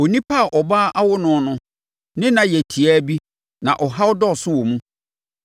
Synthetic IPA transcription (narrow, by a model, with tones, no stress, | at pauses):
o˨nĩ˦pʰa˦˨ʔɔ˨baː˦ʔa˦wʊ˦nʊ̃˦nʊ̃˦ | nɪ̃˦nã˨jɛ˨tʰi˨a˦bi˦ | nã̰˨ʔɔ˨ɦa˦wʊ˦dɔ˦˨sʊ˦wɔ˨mũ˦